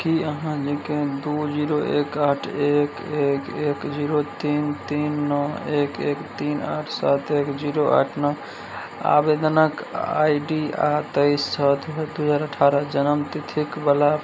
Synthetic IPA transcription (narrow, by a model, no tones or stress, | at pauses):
kiəɦãd͡ʒĩkẽd̪ud͡ʒiɾoʔekaʈʰekekekd͡ʒiɾot̪int̪inːɔekekt̪ina̰ʈʰsat̪ekd͡ʒiɾoʔa̰ʈʰnɔ | a̰bed̪ənəka̰jɖia̰t̪əjst͡ʃʰət̪d̪uɦəd͡ʒaːɾəʈʰaɾəd͡ʒənəmt̪it̪ʰikbəla